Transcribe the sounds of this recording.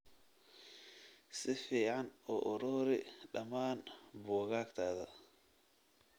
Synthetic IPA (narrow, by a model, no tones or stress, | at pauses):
sɪfiːʕɑnɔːʔɔɾɔːɾɪɖɐmaːnbɔːɣaːkt̪ʰaːðɐ